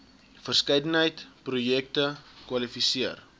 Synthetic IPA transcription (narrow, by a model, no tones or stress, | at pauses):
fərskɛjdənɦəjtprujɛk̚təkwɐlifisiər